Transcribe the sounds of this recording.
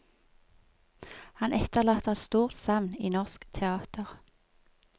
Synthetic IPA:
hɑnʔɛt̪əʁlɑːt̪əɛt̪st̪uːʁt̪sɑʋniːnɔʁskt̪ʰɛɑːt̪ʰəʁ

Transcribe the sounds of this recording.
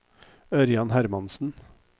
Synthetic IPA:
œɾjɑnhæɾmɑnsn̩

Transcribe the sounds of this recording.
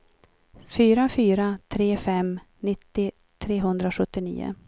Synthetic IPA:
fyːɾafyːɾat̪ʰɾeːfɛm | nɪt̪ːɪ | t̪ʰɾeːɦɵnd̪ɾaɧɵt̪ːɪnḭːʊ̰

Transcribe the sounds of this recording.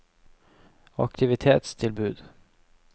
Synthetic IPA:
ɑk̚t̪ʰɪvɪt̪ʰḛːt̪st̪ʰɪlbʉ̟ːd̪̥

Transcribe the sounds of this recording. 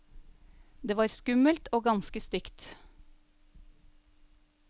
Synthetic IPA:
d̪eːʋɑːɾskʉməlt̪oːɡɑnskəst̪ʏkt̪

